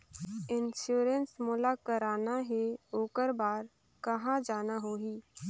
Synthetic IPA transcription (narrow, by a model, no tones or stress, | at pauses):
ɪnʃuːɾənsmʊːlakəɾaːnaɦeoːkəɾbaːɾ | kɐɦãd͡ʒaːnaɦoːɦiː